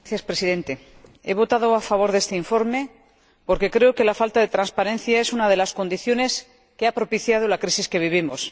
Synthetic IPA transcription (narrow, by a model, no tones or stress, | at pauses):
θjaspɾesiðe̞nt̪e̞ | e̞β̞o̞t̪að̞o̞afaβ̞o̞ɾðe̞st̪eiɱfo̞ɾme̞ | po̞ɾke̞kɾe̞oke̞lafalt̪aðe̞t̪ɾanspaɾe̞n̟θjae̞sunað̞e̞lasko̞nd̪iθjo̞ne̞s | keapɾo̞piθjað̞o̞lakɾisiske̞β̞iβ̞imos